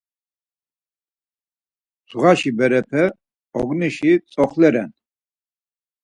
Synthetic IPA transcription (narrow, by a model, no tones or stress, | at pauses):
zʁaʃibɛɾɛpʰɛ | ɔɡniʃit͡sʼɔχlɛɾɛn